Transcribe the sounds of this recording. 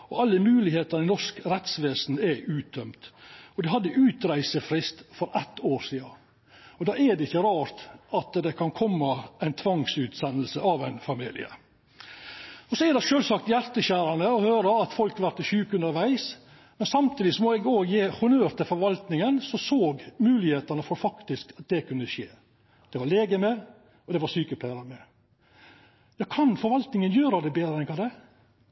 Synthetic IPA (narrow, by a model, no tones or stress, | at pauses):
ɔɑlːəmʉːlɪheːt̪ɑnɪnɔʂkɾɛt̪sʋeːsn̩ɛʔʉːt̪̚d̪œmt̪ɔd̪ɪɦɑd̪ːəʔʉːt̪ɾæɪsəfɾɪst̪fɔɾɛt̪ːoːɾsiːɑ | ɔd̪ɑːɛɖ̪ɛɪçːəɾɑːɾt̪ɑt̪d̪ɛkʰɑnkʰɔmːəʔæɪnt̪ʰʋɑŋsʉːt̪sɛnːəl̩səʔɑʋæɪnfɑmḭːlɪ̰ə̰ | ɔsɔɛd̪ɛʃøːlsɑk̚t̪jæɾt̪əçæːɾɑnəɔhøːɾəɑt̪fɔlkɑʋæɾt̪ɪɕʉːkʉnəɾʋæɪs | mɛnsɑmt̪ʰiːd̪ɪsɔmɔɛɡoːɡjeːhʊnøːɾt̪ɪlfɔɾʋɑlt̪nɪŋənsɔsoːɡmʉːlɪheːt̪ɑnəfɔɾfɑkt̪ɪskɑt̪̚d̪ɛkʰʉnːəʃḛː | d̪̥ɛʋɑleːɡəmɛ | ɔd̪ɛʋɑsyːkəp̪ʰæɾɑɾmɛ | jɑːkʰɑnfɔɾʋɑlt̪nɪŋənjøːɾɑd̪ɛbeːd̪ɾəɛnkʰɑːd̪ɛ